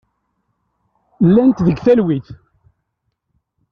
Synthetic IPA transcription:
lːænt̪ðəɡθælwiθ

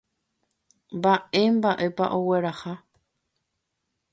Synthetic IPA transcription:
mbae̞mbaʔe̞pa̰ʔo̞we̞ɾaha

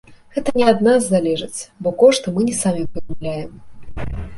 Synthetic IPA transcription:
ɣɛt̪ɐnʲɛɐd̪nazːalʲɛʐɨt͡sʲbɔkɔʂt̪ɨmɨnʲɛsamʲipɨd̪umlʲajɛm

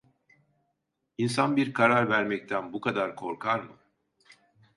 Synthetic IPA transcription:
insanbiɾkʰaɾaɾvæɾmɛct̪ʰænbukʰad̪aɾkʰo̞ɾkʰaɾmɯ

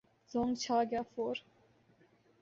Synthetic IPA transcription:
zɔŋt͡ɕʰaɡʲafoɾ

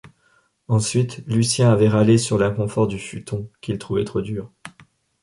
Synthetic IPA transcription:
ɑ̃sɥit̪lysjɛ̃avɛʁalesyʁlɛ̃kɔ̃fɔʁd̪yfyt̪ɔ̃kʲilt̪χuvɛt̪χod̪yːʁ

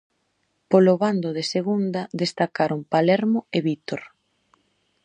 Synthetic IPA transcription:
polʊβand̪ʊðeseɣund̪ɐd̪est̪akaɾompalɛɾmoeβit̪oɾ

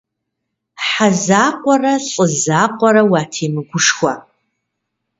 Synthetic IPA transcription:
ħazaːqʷɔrɐɬʼɨzaːqʷʼɔɾɐwaːtʰiːmɨɡʷʊʂxʷɐ

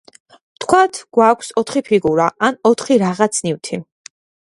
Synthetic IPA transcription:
t̪ʰkʰwat̪ʰɡ̥wakʷʰsɔt̪ʰχipʰiɡuɾaanɔt̪ʰχiɾaʁat̪sʰniwt̪ʰi

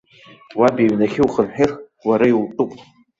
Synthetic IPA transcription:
wabiɥnaχʲɪwχənħɪr | waɾailtʼupʼ

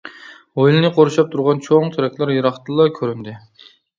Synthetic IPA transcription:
ojlˠɨnɨqʰoɾuʃɑp̚t̪ʰuɾʁɑnt͡ʃʰoŋt̪ʰyɾɛkʲʰlˠæɾjɨɾɑχt̪ɨlˠːɑkʲʰøɾynd̪ɪ

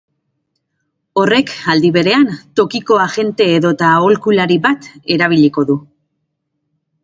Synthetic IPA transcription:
o̞re̞kald̪iβe̞ɾe̞ant̪o̞kiko̞aʝe̞nt̪e̞ːðo̞t̪aolkulaɾiβat̪e̞ɾaβ̞iliko̞ðu

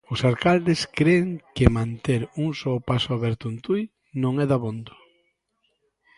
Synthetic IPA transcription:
ʊsalkald̪ɪskɾeːŋkɪmãnt̪eɾuŋsopasʊaβɛɾt̪ʊent̪uj | nõŋɛðaβond̪ʊ

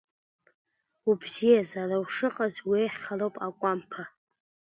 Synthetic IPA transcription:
ubzijazarawʂɨqʼazwiejχʲχalowpʼakʷʼampʰa

